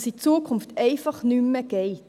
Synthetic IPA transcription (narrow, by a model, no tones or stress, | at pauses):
sit͡suəkʰʊnftɛɪfɑχnymːəɡ̥ɛɪt